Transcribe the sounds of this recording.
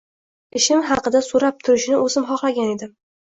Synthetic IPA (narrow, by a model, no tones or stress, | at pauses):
ɪʃɪmɦɑqɨd̪asoɾap̚t̪ʰʊɾɪʃnɪɵzɪmχɒχlaɡʲane̞d̪ɪ